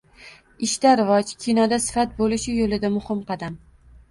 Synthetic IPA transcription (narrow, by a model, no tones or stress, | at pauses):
ɪʃt̪aɾɪvɒd͡ʒkʲʰinɒd̪asɪ̥fat̪̚bolɪʃɪjolɪd̪amʊhɪmqɑd̪am